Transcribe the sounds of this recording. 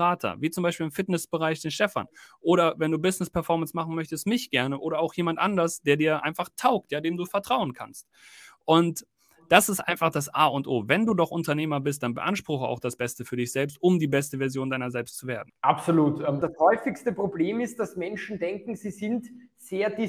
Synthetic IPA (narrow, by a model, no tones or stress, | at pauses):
aːtʰɐ̰viːt͡sʊmbaɪʃpiːlɪmfɪtnɛsb̥əʁ̞aɪçd̥eːnʃtɛfa̰nʔoːɾɐvɛnduːbɪsnɪspʰɛɐfɔɐmənsmaχn̩mœçtəstmɪçɡ̥ɛɐnəʔoːɾɐaʊxjeːmantʔandɐsd̥eːɐdiːɐʔa̰ɪnfaχtʰaʊk̚tjaːdeːmduːfɛɐtʁ̥aʊənkʰa̰nst | ʔʊnt | d̥asɪstʔa̰ɪnfaχd̥asʔaːʊntʔoːvɛnduːdɔχʔʊntɐneːmɐbɪs̬t̚d̥anbə̰ʔa̰nʃpʁ̥ʊxəa̰ʊxd̥asb̥ɛstəfyːɐdɪçz̥ɛlpstʊmdiːbɛstəvɛɐzjoːndaɪnɐzɛlpstt͡suveːɐdn̩ʔapsoluːtɛd̥ashɔʏfɪkstəpʁ̥obleːmɪst̚d̥asmɛnʃn̩dɛŋkŋ̩ziːzɪntseːɐdi